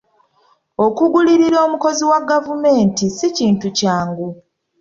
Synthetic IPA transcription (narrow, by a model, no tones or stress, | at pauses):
o̞kuɡuliɾiɾoːmuko̞ziwaɡavume̞ːntisiciːntucaːŋɡu